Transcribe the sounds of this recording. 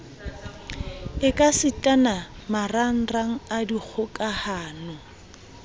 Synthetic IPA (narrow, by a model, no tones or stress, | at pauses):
ɪkʼasɪtʼanamaran̩raŋ̩adik͡xʰʊkʼahaːnʊ